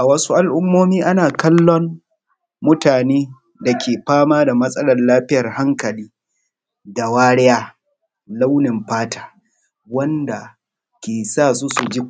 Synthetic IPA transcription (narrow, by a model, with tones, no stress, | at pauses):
ʔa˨wɐ˦su˦ʔa˨lʔʊ˦mːoː˦miː˦ʔa˦naː˨kɐ˦lːɔ˦mː | ʊ˦taː˨neː˦ | da˨kʲeː˨ɸaː˦maː˦da˨mɐ˦sʼɐ˦lɐ˨rlaː˦ɸɪ˦jɐ˨rha˦ŋkɐ˨liː˦ | da˨waː˦ɽɛ˦jaː˦ | la˦wnɪ˨mɸaː˦tḁː˦ | wɐ˦nda˨ | kʲeː˨saː˦˨su˦su˨d͡ʒi˦